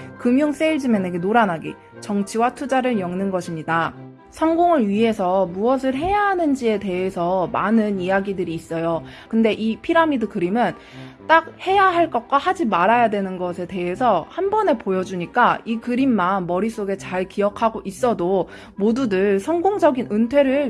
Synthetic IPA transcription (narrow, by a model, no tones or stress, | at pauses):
kɯmjoŋs͈eiɭd͡ʑimjeneɡe̞noɾanɦaɡḭ | t͡ɕʌŋt͡ɕʰiwatʰud͡ʑaɾɯɭjʌŋnɯnɡʌɕʰimɲida | sʰʌŋɡoŋɯɭɥiɦe̞sʰʌmuʌs̬ʰɯɭɦe̞jaɦanɯnd͡ʑie̞te̞ɦe̞sʰʌmanɯnijaɡidɯɾiːs͈ʌjokɯnde̞ʔipʰiɾamidɯkɯɾimjɯn | t͈ak̚he̞jaɦaɭk͈ʌk̚k͈wahad͡ʑimaɾajadwe̞nɯnɡʌsʰe̞te̞ɦe̞sʰʌhanbʌne̞pojʌd͡ʑuɲik͈aikɯɾimːanmʌɾis͈oɡe̞t͡ɕaɭkiʌkʰaɡoʔis͈ʌdo | modudɯɭsʰʌŋɡoŋd͡ʑʌɡinɯntʰwe̞ɾɯɭ